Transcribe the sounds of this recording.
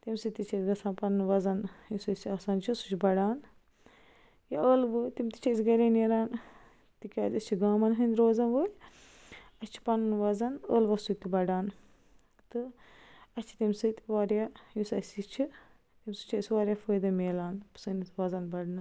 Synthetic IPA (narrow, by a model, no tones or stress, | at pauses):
t̪imsɨt̪it͡ʃʰɐsɡɐsaːnpɐnnʋɐzɐnjusɐsiɐːsaːnt͡ʃʰisu̥t͡ʃʰibɐɖaːn | jɐəːlʋɨt̪imt̪i̥t͡ʃʰɐsʲiɡɐɾʲɐːneɾaːn | t̪ikʲaːtɐst͡ʃʰiɡaːmɐnɦɨnd̪ɾoːzɐnʋəːj | ɐst͡ʃʰi̥pɐnnʋɐzɐnəːlʋɐsut̪ibɐɖaːn | t̪ɨ | ɐt͡ʃʰi̥t̪imsɨt̪iʋaːɾjajusɐsit͡ʃʰi | t̪imsut͡ʃʰɐsʲiʋaːɾʲjafəːjd̪ɐmeːlaːnpɨ̥sɨnit̪ʰʋɐzɐnbɐɖnɨ